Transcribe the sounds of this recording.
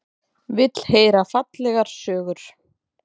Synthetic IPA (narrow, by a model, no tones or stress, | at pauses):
vɪt̪l̥heːjɾafat̪lɛɣaɾ̥sœːɣʏɾ̥